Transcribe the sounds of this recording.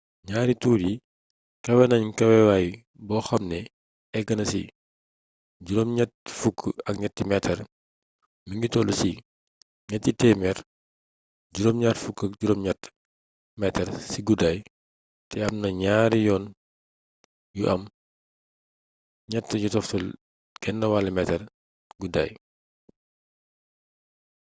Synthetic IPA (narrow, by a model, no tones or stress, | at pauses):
ɲaːɾituːɾi | kɐwɛnɐɲkɐwɛwaj | bɔːxɐmnɛ | ɛɡːɐnɐsḭ | ɟuɾɔmɲɛtfukʰːɐk̚ɲɛtːimɛtʰɛr | miɲitɔlusi | ɲɛtːitɛmɛr | ɟuɾɔmɲaːtfukːɐkɟuɾɔmɲɛtː | mɛtɛɾsiɡudaːj | tʰɛɐmnɐɲaːɾijɔːn | juʔɐm | ɲɛtːəjutɔftul | ɡ̥ɛnːɐwalɐmɛtɛr | ɡuda̰ːj